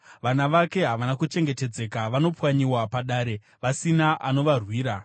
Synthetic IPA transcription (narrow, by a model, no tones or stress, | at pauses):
ʋanaʋake̞ɦaʋanakut͡ʃe̞ŋɡe̞te̞d͡ze̞kaʋano̞pwaɲiwapaɗaːɾe̞ | ʋasinaʔano̞ʋarwiːɾa